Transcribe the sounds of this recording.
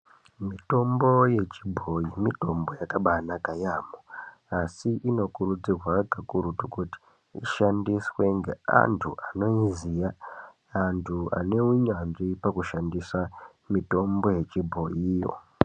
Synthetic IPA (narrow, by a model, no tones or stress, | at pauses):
mito̞mboje̞t͡ʃibʱo̞jimito̞mbo̞jakaɓanakajamo | asiʔino̞kurud͡zirwaɡʱakuɾutokuti̥ | iʃandiswe̞ŋɡḛa̰ntʰuʔano̞izijaː | ntʰua̰ne̞uɲanʐipakuʃandiswa | mito̞mbo̞je̞t͡ʃibʱo̞ijo̞̰